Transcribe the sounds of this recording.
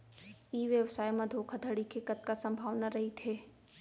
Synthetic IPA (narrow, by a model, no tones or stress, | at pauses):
iːʋjəʋsaːjmãd̪ʱoːkʰad̪ʱɐɽikʰekət̪̚kasɐ̃mbʱaːʋnaɾɐɦit̪ʰeː